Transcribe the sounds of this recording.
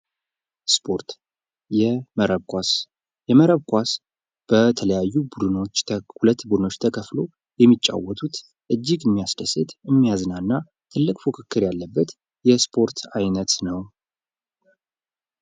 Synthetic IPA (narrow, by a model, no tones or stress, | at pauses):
spʰoɾt̪ | jɛməɾəβkʷas | jɛməɾəβkʷas | b̥ət̪ʰələjajːubud̪ɨno̞t͡ʃːhulət̪ːbud̪ɨno̞t͡ʃːt̪ʰəkʰəflo̞ | jɛmːit͡ʃʼːa̰wːɔt̪ʰut̪ | ʔɨd͡ʒːiɡɨmːijasd̪əset̪ɨmːijaznanːa | t̪ʰɨlːɨkʼfukʰɨkʰːɨɾjalːəbːət̪ | jɛspʰo̞ɾt̪ʰajnət̪nəw